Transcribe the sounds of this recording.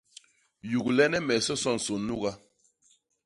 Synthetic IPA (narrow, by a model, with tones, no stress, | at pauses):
ju˨klɛ˦nɛ˦mɛ˨sɔ˦sɔ˦n̩˨so˨nːu˦ɣa˦